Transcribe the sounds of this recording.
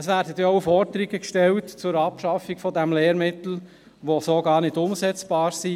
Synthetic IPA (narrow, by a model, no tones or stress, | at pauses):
əsʋæːɾdət̪jɛoʊfɔɾd̪əɾiɡəkʃtɛltt͡sʊɾɑpʃɑfiɡfɔdɛmleːɾmɪt̪l̩ | ʋosoːɡɑːɾnɪdʊmsɛt͡sb̥ɑːɾsi